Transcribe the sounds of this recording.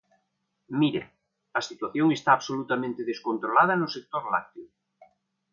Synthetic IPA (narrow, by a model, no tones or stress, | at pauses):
miɾḛ | ɐsit̪waθjoŋest̪aːβsolut̪amẽnt̪eðeskont̪ɾolað̞ɐnʊsek̚t̪oɾla̰k̚t̪eʊ